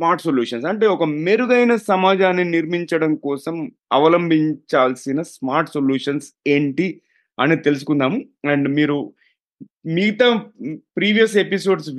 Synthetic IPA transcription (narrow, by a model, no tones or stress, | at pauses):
maːɾʈsoljuːʂɐns̬ɐɳʈe̞ːɔkɐmeɾuɡɐjnɐsɐmaːd͡ʒaːnːiniɾmiɲt͡ʃɐɽɐmkɔːsɐm | ɐʋɐlɐmbʱiɲt͡ʃaːlsinɐsmaːɾʈsoljuːʂɐnseːɳʈi | ɐnit̪e̞lus̬u̥kund̪aːmu | ɐɳɖmiːɾu | miɡt̪aːpɾiːʋijɐs̬episo̞ːɖs